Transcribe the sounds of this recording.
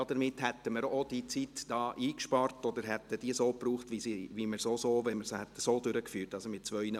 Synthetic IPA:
d̪əɾmɪthɛt̪ːəməɾod̥it͡sit̪d̥ɑːʔiːkʃpɑrtɔd̪əɾɦɛt̪ːəd̥iəsoːpɾuːχtʋisiʋiməɾsosoːʋɛməɾshɛt̪ːəsoːd̪ʏɾəkfyːɾtɑsomɪt̚t͡sʋœʏnə

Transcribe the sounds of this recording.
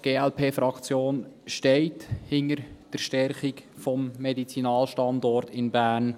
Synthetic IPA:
ɡ̥eːɛlpʰeːfɾɑkt͡sjoːnʃtɛɪthɪnəɾd̥əɾʃtɛɾχikfɔmːɛdit͡sinɑːlʃtɑndɔrtɪnbæːrn

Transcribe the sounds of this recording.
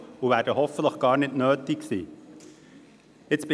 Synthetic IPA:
uvæːɾdəɦɔfətləχɡ̥ɑːɾnɪtnøːtiksḭː | ɪt͡sb̥ɪ

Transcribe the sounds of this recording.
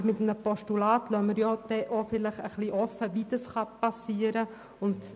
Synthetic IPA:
mɪt̪mnəpɔʃtulɑːt̪lœməɾjɔd̪̥ɛʔofɪləχəχliʔɔfːəʋid̪ɑsχɑpɑsiːəɾə | ʊnt̪

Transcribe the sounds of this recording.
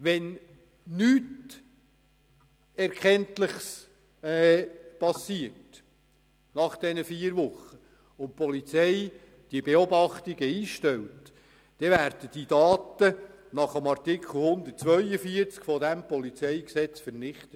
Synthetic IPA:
ʋɛn | nyːt | ɛɾkʰɛntlɪχs | ɛpɑsːiərt | nɑχd̥ɛnəfiːəɾʋʊχːə | ʊnpɔlit͡sɛj | d̥iəbeɔbɑχt̪iɡəiːʃtɛlt | d̥ɛvæːɾd̥əd̥idɑːtə | nɑχəmɑrtɪkʰχl̩ˠhʊnd̪ərt̚t͡sʋœʏəfiəɾt͡skfɔdæmpɔlit͡sɛjksɛt͡sfəɾnɪχt̪ət

